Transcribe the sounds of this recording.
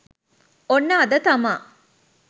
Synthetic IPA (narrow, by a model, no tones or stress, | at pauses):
onːəːd̪ət̪ɐma